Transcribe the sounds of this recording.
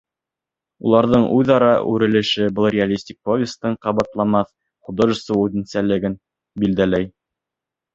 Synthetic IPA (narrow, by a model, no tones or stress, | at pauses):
ṵlˠɑɾðɤɴʉðɑɾɑʔʉ̰ɾɘ̆lɘ̆ʃɘbɤlˠrʲɪalʲisʲtʲik̚povʲɪst̪ɤɴqɑβɑt̪lˠɑmɑθ | χud̪oʒɘsɤʉðɘ̆nsælɘ̆ɡɘn | bild̪ælæj